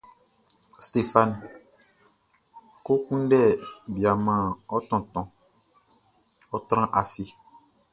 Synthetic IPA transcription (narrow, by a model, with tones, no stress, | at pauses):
st̪e˨fa˦˨n˨ | ko˦kũ˦ɖɛ˦˨bi˨a˨mã˦ɔ˦t̪ɔ̃˨t̪ɔ̃˨ | ɔ˦t̪ɾ̃ã˦ʔa˨si˦